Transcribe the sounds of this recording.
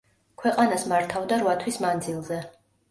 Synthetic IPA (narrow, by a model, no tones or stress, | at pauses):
kʰwɛqʼanasmaɾt̪ʰavd̪aɾvat̪ʰwismand̪zilˠzɛ